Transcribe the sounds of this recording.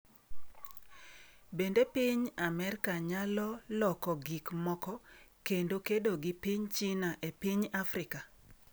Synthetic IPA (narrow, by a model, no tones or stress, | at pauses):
bendepiɲamɛrkaɲalɔlɔkɔɡikmɔkɔkendokedoɡɪpiɲt͡ʃinaʔepiɲafɾɪka